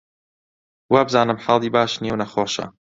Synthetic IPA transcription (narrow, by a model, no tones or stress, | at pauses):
wabzaːnɨmħɑlˠd̪iːbaːʃnjewnɐxoːʃɐ̰